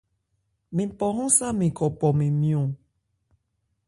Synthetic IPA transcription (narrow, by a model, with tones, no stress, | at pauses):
mĩ˨pɔ˨ɦɔ̃˦sa˦mĩ˨kɔ˨pɔ˨mĩ˨mĩ˨õ˨